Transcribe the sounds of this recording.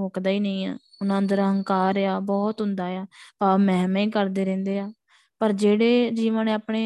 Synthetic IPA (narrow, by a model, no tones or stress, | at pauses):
oːkd̪aːiːnəĩːa̰ːʊnãːnd̪əɾɦəŋkaːɾaːbɔːt̪ɦʊ̃nd̪aːeaːpaːmɛːmĩːkəɾd̪eːɾɛ̃ːnd̪eːaː | pəɾd͡ʒeːɽeːd͡ʒiːʋənːaːpɳeː